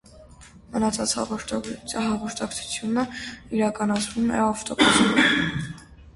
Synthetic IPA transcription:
mənɑt͡sʰɑt͡sh | ɦɑʁɔɾt̪ʰɑkt͡sʰu̥t͡sʰjunəiɾɑkɑnɑt͡sʰvumɛ̰ɑft̪ɔbus

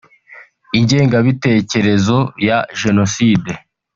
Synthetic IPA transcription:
iɲɟe̞ːŋɡaβite̞ːce̞ɾe̞zo̞jaʒe̞no̞siːde̞

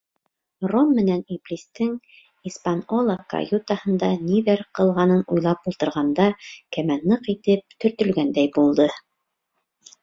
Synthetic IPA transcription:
romːɘ̆næniplʲist̪ɘŋ | ispanolˠɑka̰jut̪ɑhɤ̆nd̪ɑniðæɾqɤ̆lˠʁɑnɤnujlˠɑpulˠt̪ɤ̆ɾʁɑnd̪ɑkæmænːɤqit̪ɘp̚t̪ɵ̆ɾt̪ɵ̆lɡænd̪æjbulˠd̪ɤ

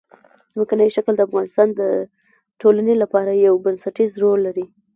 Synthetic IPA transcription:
zmakanəjʃakld̪əafɣɑnɪst̪ɑnd̪ə | ʈolanelapɑɾajawbansaʈizɾolːaɾi

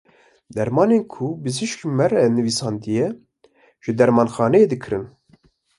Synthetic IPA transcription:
d̪ɛɾmɑːneːnkʰubɨzɨʃkmɛrɛnɨviːsɑːnd̪ɨjɛ | ʒ̥ɨd̪ɛɾmɑːnxɑːnɛeːd̪ɨkʰɨɾɨn

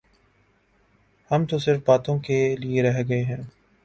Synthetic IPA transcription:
hɐmt̪osɪɾfbaːt̪õkelieɾɛɦɡɐeɦɛ̃ː

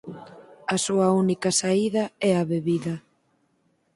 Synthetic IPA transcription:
ɐsuɐunikɐsaiðɐɛaβeβiðɐ

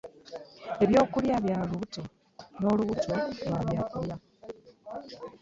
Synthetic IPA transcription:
e̞βjo̞ːkuljaβjaːluuto | no̞ːluɣutolwaːβjaːkulja

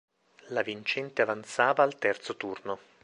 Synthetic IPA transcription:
lavint͡ʃɛnt̪eavant̪saːvaːlt̪ɛrt̪sot̪urno

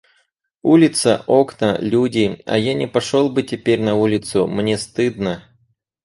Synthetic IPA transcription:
ulʲɪt̪səʔoknəlʲudʲɪɐ̰janʲɪpɐʂolˠbɨtʲɪpʲeɾʲnɐulʲɪt̪sʊmnʲe̞st̪ɨd̪nə

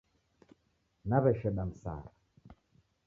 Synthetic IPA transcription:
naβɛʃɛɗam̩sa̰ːɾa

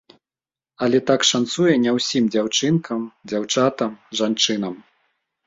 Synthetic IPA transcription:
ɐlʲɛt̪akʂant̪sujɛnʲɛwsʲimd͡zʲawt͡ʂɨnkɐmd͡zʲawt͡ʂat̪ɐmʐant͡ʂɨnɐm

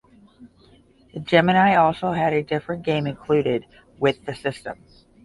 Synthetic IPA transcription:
ðɨd͡ʒɛmɨ̃naɪɔlˠsoʊɨɾɨdɪfɹɨ̃nɡ̥ẽɪ̃mɨ̃nkʰl̥ʉɾɪd̚ | wɪðɨsɪstə̰̃m

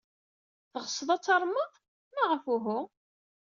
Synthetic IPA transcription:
θəʁəsˤəðˤɑt͡sːɑɾˤməðˤ | mæʁəfʊɦʊ

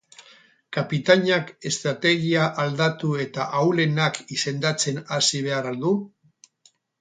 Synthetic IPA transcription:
kapit̪aɲake̞st̪ɾat̪e̞ɣiaʔald̪at̪ue̞t̪aʔawle̞nakise̞nd̪at͡se̞nasiβ̞e̞aɾald̪u

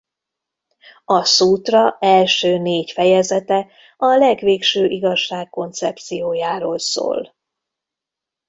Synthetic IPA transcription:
ɒsuːt̪rɒɛlʃøːneːcfɛjɛzɛt̪ɛ | ɒlɛɡʋeːkʃøːʔiɡɒʃːaːkːo̞nt̪sɛpt̪sijoːjaːɾoːlso̰ːl

